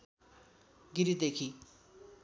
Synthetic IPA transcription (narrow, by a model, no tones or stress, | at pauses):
ɡiɾid̪ekʰi